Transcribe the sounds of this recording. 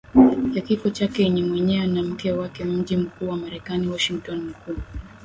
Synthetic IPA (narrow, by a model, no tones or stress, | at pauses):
kakikɔt͡ʃakɛiɲɛmwɛɲɛanam̩kɛwakɛm̩ʄim̩kuːwamaɾɛkaniwɔʃiŋktɔnm̩kuː